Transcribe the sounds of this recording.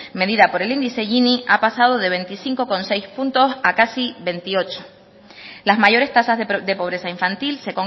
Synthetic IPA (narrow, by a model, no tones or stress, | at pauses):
me̞ðiðapo̞ɾe̞lind̪ise̞ʝiniʔapasaðo̞ðe̞βe̞nt̪isiŋko̞ko̞nse̞jspunt̪o̞sakasiβe̞nt̪io̞t͡ʃo̥ | lazmaʝo̞ɾe̞st̪asazððe̞po̞β̞ɾe̞saiɱfant̪ilse̞ko̞ŋ